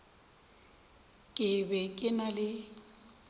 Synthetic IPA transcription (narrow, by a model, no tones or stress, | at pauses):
kʼɪbɛkʼɪnalɪ